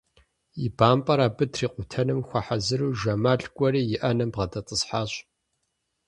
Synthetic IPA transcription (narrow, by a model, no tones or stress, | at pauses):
ibaːmpʼɐɾaːbɨtʰriːqʷʼʊtʰɐnɨmxʷɐħazɨɾuːʒɐmaːɬkʷʼɔɾiːjɪʔɐnɐmbʁɐtʰʼɐtʼəsħaːɕ